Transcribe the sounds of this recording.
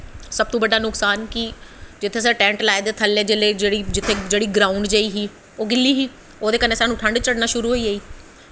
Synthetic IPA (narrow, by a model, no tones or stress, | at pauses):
səb̚t̪õːbəɖaːnʊksaːnkid͡ʒɪt̪ʰːeːs̬əːʈɛ̃ːɳʈlaːed̪eːt̪ʰəlːeːd͡ʒeːleːd͡ʒeːɽiːd͡ʒɪt̪ʰːeːd͡ʒeːɽiːɡɾaːuɳɖd͡ʒaːiːɦiː | oːɡɪlːiːɦiː | oːd̪eːkənːeːsaːnũːʈʰəɳɖt͡ʃəɽnaːʃʊɾuːɦoːiːaiː